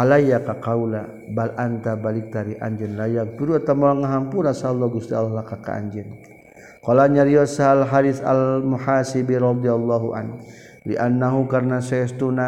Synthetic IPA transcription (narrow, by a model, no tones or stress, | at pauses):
alajakakaula | balʔant̪abalik̚t̪aɾiʔa̰ɲd͡ʒɛnlajak̚t̪uɾuat̪amalaŋaɦampulasalːɔɡust̪ialɔhlakaka̰a̰ɲd͡ʒɪn | kɔlaɲaɾiasalɦadiθa̰lmuħasibiɾɔd̪ialːɔɦuʔa̰n | lḭʔanːaɦukarnasaast̪una